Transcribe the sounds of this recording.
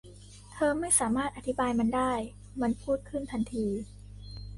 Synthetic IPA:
t̪ʰɤː˧ma˥˩jsaː˩˦maː˥˩t̪̚ʔa˧t̪ʰi˦˥baː˧jma˧ndaː˥˩j | ma˧npʰuː˥˩t̪̚kʰɯ˥˩nt̪ʰa˧nt̪ʰiː˧

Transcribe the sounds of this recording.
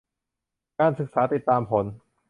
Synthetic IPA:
kaː˧nsɯ˨˩k̚saː˩˦˥t̪i˨˩t̪ːaː˧mpʰo˩˦n

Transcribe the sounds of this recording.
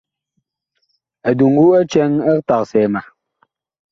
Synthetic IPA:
ɛ˨du˨ŋ̩˦ɡu˦ɛ˦t͡ʃɛ˦ŋɛ˦kta˨k̚sɛː˨ma˨

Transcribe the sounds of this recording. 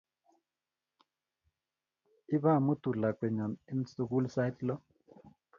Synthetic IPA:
i˦βa˦˨mu˦tu˨la˨kwɛ˨ɲɔ˨ni˦m̩˦su˦k̬u˦lsa˦jtlɔ˦

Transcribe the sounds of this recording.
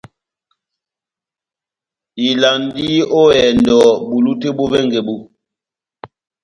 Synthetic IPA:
i˨la˨ndi˦ʔo˦ɛ˨ndɔ˨bu˨lu˦te˦bo˦vɛ˦ŋɡe˨bu˨

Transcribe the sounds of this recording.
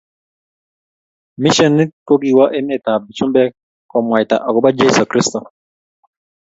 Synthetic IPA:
mɪ˦ʃɛ˦˨nɪ˦ko˦ɡi˨wa˦ʔe˦mɛ˨ta˨bi˨t͡ʃu˦mbɛ˦ | kɔ˨mwa˨jta̰˨ʔɔ˨ɡɔ˦ba˦d͡ʒe˦so˨kɾi˦stɔ˨

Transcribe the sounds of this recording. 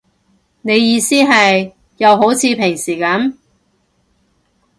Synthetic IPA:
ne˨˧jjiː˨˧siː˥ɦɐ˨j | jɐ˨˧wɦo˨˥wt͡sʰiː˨˧pʰɪ˨˩ŋsiː˨˩kɐ˨˥m

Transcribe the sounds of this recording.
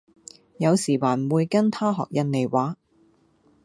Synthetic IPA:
jɐ˨˧wsiː˨˩waː˨˩nwuː˨˧jkɐ˥nt̪ʰaː˥ɦɔ̰ː˨k̚jɐ˧nne˨˩jwaː˨˥

